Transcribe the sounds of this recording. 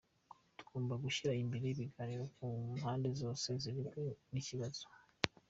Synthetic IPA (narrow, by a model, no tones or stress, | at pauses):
tu̥ɡoːmbaɡuʃiɾaimbiɾeβiɡaɾiɾokuhaːnde̞zo̞ːse̞ziɾiɡeniciβaz̥o̥